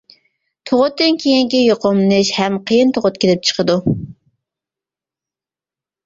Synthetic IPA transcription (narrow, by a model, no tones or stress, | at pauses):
t̪ʰoʁʊt̪ːɨnkʲʰejiŋkʲijoqomnɨʃhɛmqʰəjɪnt̪ʰoʁʊt̪kʲʰelɪp̚t͡ʃʰə̥qʰəd̪u